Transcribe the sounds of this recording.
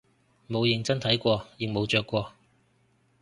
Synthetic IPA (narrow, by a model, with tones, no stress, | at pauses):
mo˨˧wjɪ˨ŋt͡sɐ˥nt̪ʰɐ˨˥jkʷɔː˧jɪ˨ŋ̚mo˨˧wt͡ʃœː˧kʷːɔː˧